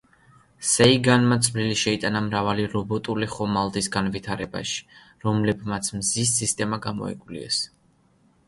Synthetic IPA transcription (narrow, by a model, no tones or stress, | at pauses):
sɛiɡanmat̪sʼvliliʃɛit̪ʼanamɾavaliɾɔbɔt̪ʼuliχɔmalˠd̪isɡanvit̪ʰaɾɛba̰ʃi̥ | ɾɔmlɛbmat̪sʰmzisːist̪ʼɛmaɡamɔ̰ḭkʼlḭɛ̰s